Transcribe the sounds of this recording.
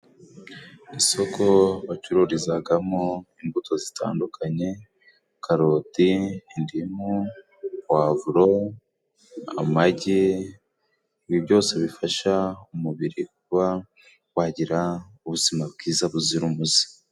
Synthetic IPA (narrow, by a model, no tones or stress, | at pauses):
iso̞ko̞βat͡ʃuɾuɾizaɡamoimbuto̞zita̰ːndukʰaɲe̞ | kaɾotiːndimu | wavuɾo | a̰maɟe | iβiβɟo̞ːse̞βifaʃaumuβiɾik̚uβa | waɟiɾa | uβuzimabɡiːzaβuziɾumuzi̥